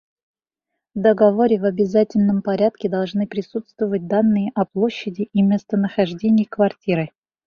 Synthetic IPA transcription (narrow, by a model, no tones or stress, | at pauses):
vd̪əɡɐvo̞ɾʲɪvɐbʲɪzatʲɪlʲnəmpɐɾʲat̪̚kʲɪd̪ɐlˠʐnɨpɾʲɪsut̪st̪vəvət̚ʲd̪anːɨjəʔɐplˠo̞ɕːɪdʲɪʔimʲe̞st̪ənəxɐʐdʲenʲɪjkvɐrtʲiɾɨ